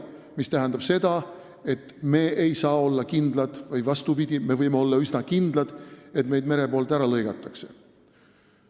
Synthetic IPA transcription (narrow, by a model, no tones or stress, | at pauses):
mist̪æɦænd̪̥ɑb̥se̞d̪̥ɑ | e̞t̪ˑme̞ːʔejsɑːo̞lːɑkind̪lɑd̪̥vɯjvɑst̪upid̪̥ʲime̞vɤjmeo̞lːɑysnɑkind̪̥lɑd̪̥e̞t̪me̞jd̪̚me̞ɾe̞po̞ːlt̪ˑæɾɑlɤjɡ̥ɑt̪ːˑɑkse̞̥̰